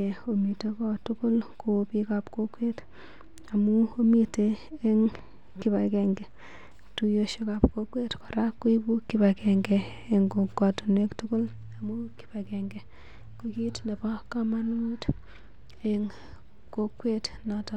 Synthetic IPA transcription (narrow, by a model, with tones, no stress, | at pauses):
ɛ˨o˨mi˨tekɔ˦tʊ˦ko˦lko˨pika˨pko˦kwe˦t | amu˦o˦mi˦te˦eŋ | ki˦ba˨kɛŋɡɛ˨ | tu˦joʃe˦ka˨pko˦kwe˦tka˨ɾa˦kːu˦i˦bu˦kiba˨kɛŋɡɛ | e˨ŋɡo˨ka˨tu˨ne˦ktʊko˦l | a˨mu˦ki̥˦ba˨kɛŋɡɛ˨ | ko˦kitne˨pa˦kama˦nu˦t | eŋ | ko˦kwe˦t | na˨tɔ